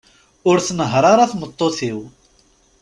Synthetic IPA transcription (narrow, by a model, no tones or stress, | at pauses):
ʊɾθnəɦɾˤaɾaθmət̪ˤːoθiw